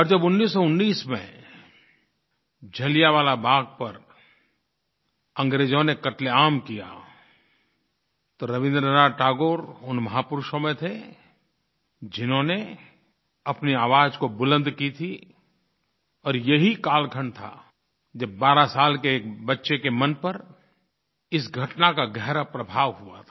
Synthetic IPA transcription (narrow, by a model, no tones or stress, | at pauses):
ɔːɾd͡ʒɐbʊnːiːsːɔʊnːiːsmḛ̃ | d͡ʒʱɐlijaʋaːlabʱaːɡ̚pɐɾ | ɐ̃ŋɡɾeːd͡ʒõnekɐʈleaːmkija̰ | t̪oɾɐʋɪ̃nd̪ɾənaːʈaːɡoːɾʊnmɐɦaːpʊɾʊʃõmẽt̪ʰe | d͡ʒɪnɦõne | ɐpniaːʋaːd͡ʒkobʊlə̃nd̪kit̪ʰi | ɔːɾjeɦikaːlkʰəɳt̪ʰa̰ | d͡ʒɐb̚baːɾasaːlkeːkbɐtːʃekemɐnpəɾ | ɪsɡʱɐʈnakaɡɛɦɾapɾəbʱaːʋɦuat̪ʰa